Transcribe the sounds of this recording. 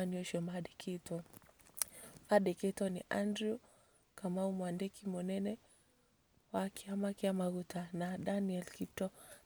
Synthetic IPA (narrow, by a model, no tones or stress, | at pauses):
aniɔʃɔmaɗɛkʰitɔ | faɗɛkɛtɔnḭʔandɾu | kamaumwandɛkimɔnɛnɛ | wakʰiamakiamaɣutanadaniɛlkitɔ